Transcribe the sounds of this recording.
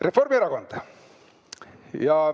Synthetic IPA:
refoɾmieɾakont̪ḁ | jɑ

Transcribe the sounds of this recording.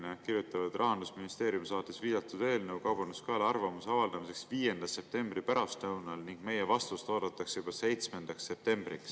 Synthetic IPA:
nekirjut̪ːˑɑvɑd̪rʔɑɦɑnd̪̥usminist̪e̞ːɾjumsɑːt̪ːˑesviːd̪̥ɑt̪ːud̪̥e̞ːlnewkɑwb̥ɑnd̪̥uskɑːleɑrvɑmuseɑvɑld̪ɑmise̞ksviːje̞nd̪̥ɑse̞p̚t̪e̞mbripæɾɑst̪lɤwnɑlniŋɡ̥me̞jevɑst̪ust̪oːd̪̥ɑt̪ːˑɑksjub̥ɑse̞jt̪sme̞nd̪̥ɑksːe̞p̚t̪e̞mbɾiks

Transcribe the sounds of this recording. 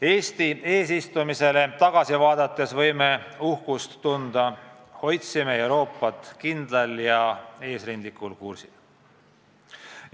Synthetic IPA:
e̞ːst̪ie̞ːs̬ist̪umise̞le̞t̪ɑɡ̥ɑsivɑːd̪ɑt̪ːˑe̞svɤjme̞uhkust̪ːund̪̥ɑ | ho̞jt̪sime̞e̞wɾo̞ːpːˑɑt̪ːˑkind̪̥lɑljɑe̞ːsrind̪likˑulkursil

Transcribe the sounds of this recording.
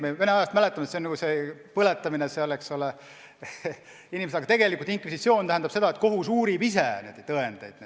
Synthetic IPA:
meve̞neɑjɑst̪mælet̪ːˑɑmet̪senːkusepɤlet̪ːˑɑmineseolekso̞le | inʲimeset̪ɑɡ̥ɑt̪eɡe̞likːˑut̪inkʋisit̪sioːnt̪æhænd̪ɑb̥se̞d̪ɑet̪̚ko̞ɦusuːɾibisḛned̪et̪ːɤend̪ḛjd̪̥ne

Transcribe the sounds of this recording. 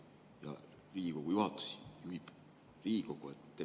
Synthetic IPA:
jɑ̰ | riːɡiko̞kujuhɑt̪ːˑu̥si̥juhib̥ | riːɡiko̞ɡ̥uet̪ːe

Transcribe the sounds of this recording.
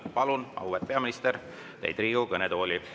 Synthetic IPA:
pɑlunɑ̰uwet̪̚pe̞ɑminist̪er | t̪ḛjd̪riːɡukɤned̪o̞ːlʲi

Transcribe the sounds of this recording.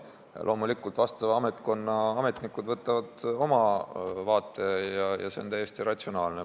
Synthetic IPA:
lʔo̞ːmulikːˑult̪vɑst̪ɑvɑɑme̞t̪ko̞nːɑɑme̞t̪ˑnikːˑud̪vɤt̪ˑːɑvɑd̪̥o̞mɑvɑːt̪ːˑejɑjɑ̰seo̞nt̪æjest̪iɾɑt̪sio̞nɑːlne

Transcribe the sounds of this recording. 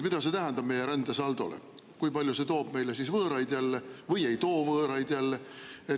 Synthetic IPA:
mid̪̥ɑse̞t̪æɦɛnd̪ɑb̥̚me̞jeɾænd̪̥esɑld̪̥o̰lḛ | kujpɑlʲjuse̞t̪o̞ːb̥me̞jlesiːsvɤːɾɑjd̪̥jælːevɤje̞jt̪o̞ːvɤːɾɑjd̪̥jælːee

